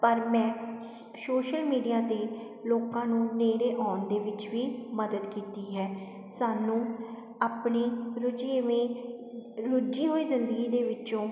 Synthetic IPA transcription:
pəɾmɛ̃ː | soːʃəlmiːɖijaːt̪eː | loːkãːnũːneːɾeːʔɔːnd̪eːʋɪt͡ʃʋiːməd̪əd̪kiːt̪iːɦɛː | saːnũː | aːpɳeːɾʊd͡ʒeːʋẽː | ɾʊd͡ʒiːɦoːiːzɪnd̪əɡiːd̪eːʋɪt͡ʃõː

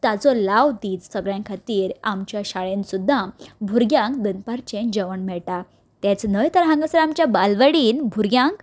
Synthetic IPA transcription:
t̪ad͡zɔlawd̪iːd͡zsəɡɭjãŋkʰat̪iːɾamt͡ɕjaɕaɭensud̪ʱːãbʱuɾɡjãŋk̚d̪ənpaɾt͡ɕẽnd͡ʑəʋəɳmɛɭʈa | t̪ɛ̃t͡snəjt̪əɾɦãŋɡəsəɾamt͡ɕjabalʋəɽiːnbʱuɾɡʲjãŋk

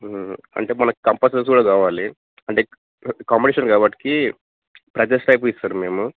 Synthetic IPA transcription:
ɐ̰ɳʈe̞ːmɐnɐkkɐmpɐsɐs̬kuːɽaːkaːʋaːli | ɐɳʈe̞ː | kaːmpiʈiːʃɐnkaːbɐʈːi̥ki | pɾɐd͡ʒɐsʈɐjp̬uist̪aːnume̞ːmu

